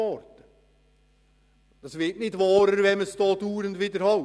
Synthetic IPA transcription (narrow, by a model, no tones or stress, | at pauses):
ɔɾt̪ə | d̥ɑsʋɪtnɪtʋɑːɾəɾʋɛməst̪ɔːt̪uːɾənd̪ʋɪd̪əɾhɑ